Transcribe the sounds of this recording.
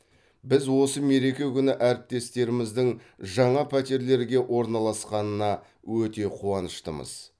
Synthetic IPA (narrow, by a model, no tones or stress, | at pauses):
bɪzwo̞səme̞ɾe̞kʲe̞kʲʏnɪʔæɾɪp̚t̪e̞st̪e̞ɾɪmɪzd̪ɪŋ | ʒɑɴɑpʰæt̪e̞ɾle̞ɾɡʲe̞ʔwʔo̞ɾnɑlˠɑsqɑnənɑ | wɵt̪e̞qʰuɑnəʃt̪əmə̰z̥